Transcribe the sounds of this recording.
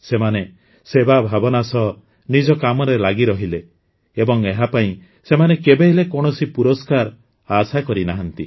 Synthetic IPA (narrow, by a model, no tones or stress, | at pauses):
semane | sebabʱabɔnasɔ | nid͡ʒɔkamɔɾelaɡiɾɔɦile | ebɔŋeɦapaĩ | semanekebeɦilekɔɽ̃ɔsipuɾɔskaɾ | asakɔɾinaɦɔnt̪i